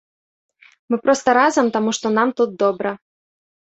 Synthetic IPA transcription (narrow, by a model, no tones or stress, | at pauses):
mɨpɾɔst̪ɐɾazɐmt̪amuʂt̪ɔnamt̪ud̪̚d̪ɔbɾɐ